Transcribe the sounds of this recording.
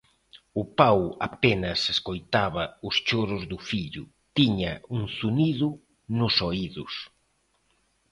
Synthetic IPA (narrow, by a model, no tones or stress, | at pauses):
ʊpawa̰penɐseskojt̪aβɐʊst͡ʃoɾʊzðʊfiʎʊ̰ | t̪iɲɐuŋsuniðʊ | nʊsoiðʊs